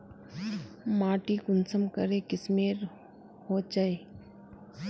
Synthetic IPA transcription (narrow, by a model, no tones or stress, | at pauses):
maːʈikʊnsəmkəɾekɪsmeːɾ | hoːd͡ʒaːe